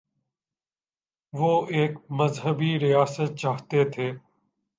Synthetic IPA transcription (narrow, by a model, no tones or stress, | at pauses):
ʋoːeːkməzɦəbiɾijaːsət̪̚t͡ʃaːɦt̪et̪ʰeː